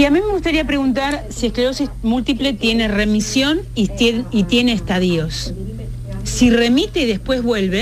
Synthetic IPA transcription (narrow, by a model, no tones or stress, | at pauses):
iamime̞ɣust̪aɾiapɾe̞ɣunt̪̬aɾsiehkleɾosimult̪iple̞t̪je̞ne̞re̞misjo̞nieit̪je̞neːst̪aðio̞sː | ire̞mit̪eðe̞spwe̞zβwe̞lβe